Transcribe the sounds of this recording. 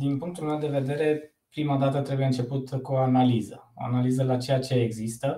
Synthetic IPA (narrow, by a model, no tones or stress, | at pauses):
d̪inpuŋkt̪ulme̞wd̪e̞ve̞d̪e̞ɾe̞ | pɾimad̪at̪ət̪ɾe̞buje̞ɨnt͡ʃe̞put̪kuoanalizəo̰a̰nalizəlat͡ʃejat͡ʃe̞ːɡzist̪ə